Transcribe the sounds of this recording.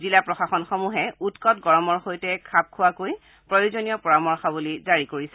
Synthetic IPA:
zilapɹɔxaxɔnxɔmuɦɛutkɔtɡɔɹɔmɔɹxojtɛkʰab̚kʰʊwakoj | pɹɔjozonijɔpɔɹamɔɹxɔbulizaɹikoɹisɛ

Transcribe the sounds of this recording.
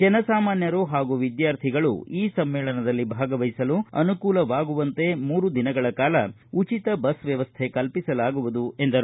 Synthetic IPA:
d͡ʒɛnɐsaːmaːnjɐɾuɦaːɡuʋid̪jaːɾt̪ʰiɡɐɭṵiːsɐmːɛːɭɐnɐd̪ɐlːibʱaːɡɐʋɐjisɐluɐ̰nukuːlɐʋaːɡuʋɐnt̪e̞muːɾud̪inɐɡɐɭɐkaːlɐ | ut͡ʃit̪ɐbɐsʋjɐʋɐst̪ʰekɐlpisɐlaːɡuʋud̪ue̞nd̪ɐɾ

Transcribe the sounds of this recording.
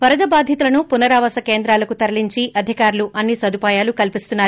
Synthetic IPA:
ʋɐɾɐd̪ɐbaːd̪ʱjɐt̪ulɐnupunɐɾaːʋɐsɐke̞ːnd̪ɾaːlɐkut̪ɐɾɐliɲt͡ʃiʔɐd̪ʱikaːɾluʔɐnːisɐd̪ʱupaːjaːlukɐlpist̪unːaːɾu

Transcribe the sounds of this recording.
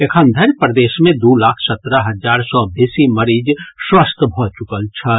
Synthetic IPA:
ekʰənd̪ʱəɾpɾəd̪eːʃmẽd̪ulaːkʰsət̪ɾəɦəd͡ʒaːɾsɔbesiməɾiːd͡ʒswəst̪ʰbʱot͡ʃukəlt͡ʃʰə

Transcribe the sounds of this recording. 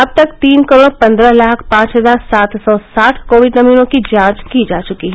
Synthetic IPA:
ɐb̚t̪ɐkt̪iːnkəɾoːɽpɐ̃nd̪ɾəɦlaːkʰpãːt͡ʃɦəzaːɾsaːt̪sɔːsaːʈʰkoːʋɪɖnɐmiːnõkid͡ʒãːt͡ʃkid͡ʒaːt͡ʃʊkiɦɛ

